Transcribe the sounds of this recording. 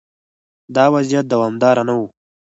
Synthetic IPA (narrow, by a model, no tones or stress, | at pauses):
d̪ɑːwazijat̪̚d̪awɑːmd̪ɑɾanawu